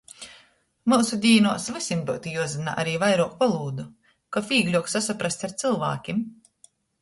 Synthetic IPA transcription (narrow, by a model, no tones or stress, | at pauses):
muːsud̪ʲiːnuɔsvɨsʲinb̪uwt̪ijuɔzɨna̰ʔa̰ɾiːvajɾuɔkpalˠuːd̪u | kafiːɡlʲuɔksasapɾast̪ʲaɾt̪sɨlˠva̰ːkʲim